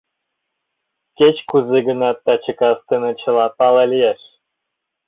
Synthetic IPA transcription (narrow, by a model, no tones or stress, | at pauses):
ket͡ɕkuzeɡə̆nɑt̪ːɑt͡ɕə̆kɑst̪ənɤ̆t͡ɕə̆lɑpɑlɑlʲijeʃ